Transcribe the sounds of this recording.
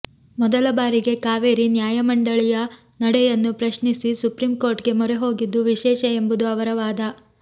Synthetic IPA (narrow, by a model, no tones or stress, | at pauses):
mɔd̪ɐlɐbaːɾiɡe̞kaːʋeːɾinjaːjɐmɐɳɖɐɭijɐ | nɐɽɛjɐnːupɾɐʃɳisisupɾimko̞ːɾʈɡe̞mɔɾeɦo̞ːɡid̪ːuʋiʃɛːʃɐembud̪uɐʋɐɾɐʋaːd̪ɐ